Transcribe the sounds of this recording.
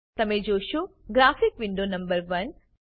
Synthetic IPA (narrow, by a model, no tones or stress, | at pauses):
t̪əmed͡ʒoʃoɡɾafikʋɪɳɖonɐmbəɾʋən